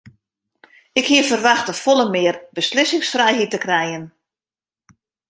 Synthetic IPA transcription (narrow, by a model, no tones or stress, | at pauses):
ɪkhiəfərʋaxtəfolˠəmɪərbəslɪsɪŋsfrɛjɦitəkrɛjən